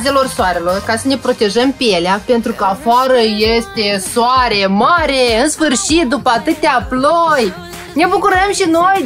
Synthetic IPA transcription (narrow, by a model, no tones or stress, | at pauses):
ze̞lo̞rsoaɾe̞lo̞rkasəne̞pɾo̞t̪e̞ʒəmpejeleape̞nt̪ɾukəafaɾəje̞st̪e̞soaɾe̞maɾe̞ɨnsfɨrʃit̪̚d̪upəat̪ɨt̪aploj | ne̞bukuɾəmʃino̞j